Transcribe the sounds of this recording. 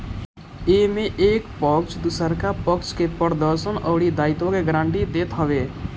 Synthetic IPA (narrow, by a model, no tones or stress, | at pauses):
eːmẽʔeːkpɔkt͡ʃd̪ʊsəɾkapəkt͡ʃkepəɾd̪əɾʃənəːɽid̪aːɪt̪õkeɡɾãːɳʈid̪eːt̪ɦəʋeː